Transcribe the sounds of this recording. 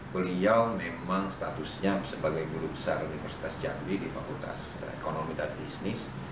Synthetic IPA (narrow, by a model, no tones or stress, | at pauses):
bəliawmemaŋst̪at̪usɲasəbaɡajbuɾubəsaɾunifərsi̥t̪asd͡ʒa̰nwidifakult̪a̰s | ḛkonomidanbisnɪs